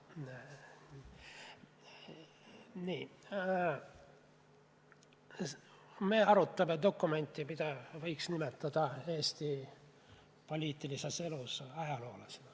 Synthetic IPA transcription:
niː | meɑɾut̪ːɑmed̪o̞kːˑume̞nʲt̪ːimit̪ɑvɤjksnimet̪ːɑd̪̥ɑeːst̪i | po̞lʲiːt̪ːˑilisese̞lusɑjɑlo̞ːlɑsn

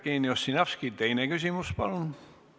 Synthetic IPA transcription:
kiːniosːinɑfskit̪ejnekysʲimuspɑlun

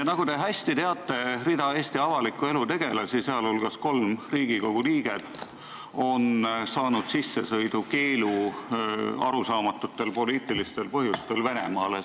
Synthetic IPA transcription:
jɑnɑɡ̥ut̪e̞ɦæsʲt̪it̪eɑt̪ˑːe̞rid̪ɑe̞ːst̪iɑvɑlikːˑue̞lut̪e̞ɡ̥e̞lɑsiseɑlolɡ̥ɑsko̞lmriːɡiko̞ɡ̥uliːɡ̥e̞t̪ːˑ | o̞nsɑːnud̪̥sisːe̞sɤjd̪̥uke̞ːlu | ɑ̰ɾusɑːmɑt̪ːˑut̪ːˑe̞lpo̞liːt̪ˑilist̪e̞lpɤɦjust̪e̞lve̞ne̞̰mɑ̰ːle

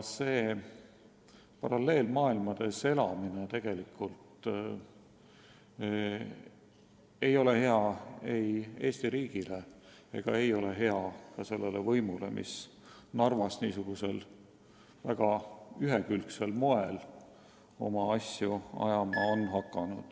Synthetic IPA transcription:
se̞ː | pɑɾɑlːe̞ːlmɑːilmɑd̪̥e̞se̞lɑminet̪e̞ɡ̥e̞likːˑult̪ | ejo̞le̞he̞ɑe̞je̞ːst̪iɾiːɡ̥ile | e̞̰ɡ̥ɑe̞jo̞le̞ɦe̞ɑkɑse̞lːe̞levɤjmule̞̰mʔḭs | nɑrvɑsniːsuɡ̥use̞l | væɡ̥ɑyɦekylkse̞lmoel | o̞̰mɑɑsjuɑ̰jɑmɑo̞nɦɑkˑːɑnud̪̥

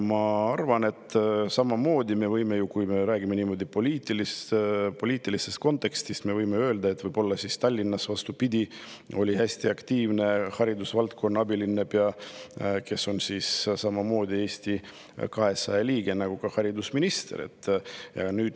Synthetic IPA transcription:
mɑɑrvɑne̞t̪ːsɑmɑmo̞ːd̪ime̞vɤjme̞jukujme̞ɾæːɡ̥imeniːmo̞d̪ipo̞lʲiːt̪ːˑilist̪po̞lʲiːt̪ːˑilise̞st̪ko̞nt̪ːˑe̞kst̪ist̪me̞vɤjmeø̞ːld̪ɑe̞t̪ːvɤjb̥o̞lːɑsist̪ɑlʲːinːɑsvɑst̪upid̪ʲio̞lʲihæsʲt̪iɑkt̪iːvne̞hɑɾid̪usvɑlt̪̚ko̞nːɑɑbilinːebjɑ | ke̞sːo̞nsissɑmɑmo̞ːd̪ʲie̞ːsʲt̪i | kɑɦe̞sɑjeliːɡ̥e̞nɑɡ̥ukɑhɑɾid̪usminist̪e̞̰ɾḛt̪ːjɑ̰nyːd̪

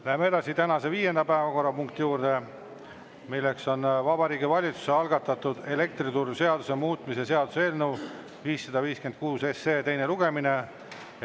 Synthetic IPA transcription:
læɦemee̞d̪̥ɑsit̪ænɑse̞viːje̞nd̪ɑpæevɑko̞rːɑpuŋkt̪ijuːɾd̪̥e̞ | milːe̞kso̞nvɑbɑɾiːɡivɑlʲit̪su̥seɑlɡ̥ɑt̪ːˑɑt̪ud̪̥e̞le̞k̚t̪ɾit̪urːuse̞ɑd̪usemuːt̪ˑmisese̞ɑd̪̥useːlnuw | viːsːɑd̪̥ɑviːske̞nd̪̥̚kuːse̞seːt̪e̞jne̞luɡ̥e̞mine̞

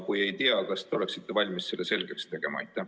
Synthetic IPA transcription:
kuje̞jt̪iɑkɑst̪eo̞le̞ksit̪ːevɑlʲmisːelːese̞lɡ̥e̞kst̪e̞ɡ̥e̞mɑ̰ɑ̰jt̪ːˑæ

